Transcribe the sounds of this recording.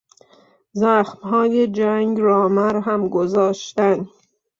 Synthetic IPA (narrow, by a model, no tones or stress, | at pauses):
zæxmɦɒːjed͡ʒæŋɡɾɒːmæɾɦæmɡozɒːʃt̪æn